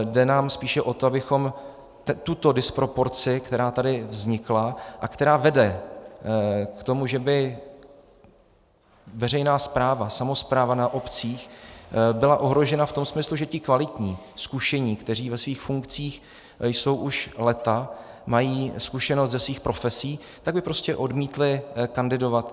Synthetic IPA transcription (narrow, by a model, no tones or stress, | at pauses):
dɛnaːmspiːʃɛʔo̞t̪oabɪxo̞m | t̪ut̪o̞dɪspɾo̞po̞ɾt͡sɪkt̪ɛɾaːt̪adɪvzɲɪklaʔakt̪ɛɾaːvɛdɛ | kt̪o̞muʒɛbɪ | vɛr̝ɛjnaːspɾaːvasamo̞spɾaːvanaʔo̞pt͡siːxbɪlaʔo̞ɦɾo̞ʒɛnaft̪o̞msmɪsluʒɛcɪkvalɪt̪ɲiː | skuʃɛɲiːkt̪ɛr̝iːvɛsviːxfuŋkt͡siːx | jso̞wʔuʃlɛt̪amajiːskuʃɛnost̪zɛsviːxpɾo̞fɛsiː | t̪aɡ̚bɪpɾo̞scɛʔo̞dmiːt̪lɪkandɪdo̞vat̪